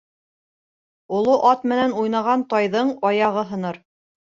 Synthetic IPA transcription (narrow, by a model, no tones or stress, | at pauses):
ulˠoʔɑt̪mɘ̆nænujnɑʁɑnt̪ɑjðɤɴɑjɑʁɤɦɤ̆nɤɾ